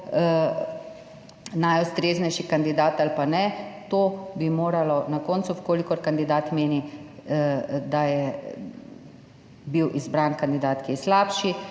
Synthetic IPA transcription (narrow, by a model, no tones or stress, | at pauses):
najust̪ɾeːznɛjʃikand̪id̪aːt̪alpanɛt̪oːbimoːɾalɔnakoːnt̪suwkoːlikɔɾkand̪id̪aːt̪meːni | d̪ajɛ | biwʔizbɾankand̪id̪aːt̪kiɛslaːpʃi